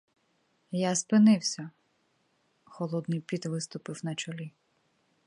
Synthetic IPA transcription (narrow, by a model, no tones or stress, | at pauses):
jaspɪnɪwsʲɐ | xɔlˠɔd̪nɪjpʲid̪ʋɪst̪ʊpɪwnɐt͡ʃɔlʲi